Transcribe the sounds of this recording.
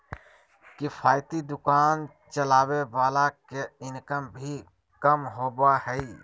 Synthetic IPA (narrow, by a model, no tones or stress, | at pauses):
kɪfʰaːjt̪id̪ʊkaːn | t͡ʃəlaːʋeʋaːlakeɪnkəmbʱi | kəmɦoːbahɛi